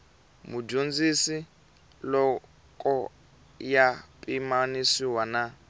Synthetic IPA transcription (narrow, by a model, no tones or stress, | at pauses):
mud͡ʒond͡zisi | lɔ | kʼɔ | japʼimanisiwana